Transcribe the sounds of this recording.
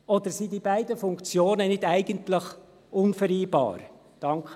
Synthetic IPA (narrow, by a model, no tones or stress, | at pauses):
ɔd̪əɾsidibæɪdəfʊŋkt͡sjoːnənɪdæɪɡ̥əntləχ | ʔʊnfəɾiːbɑ̰ːɾ | d̥ɑŋkχə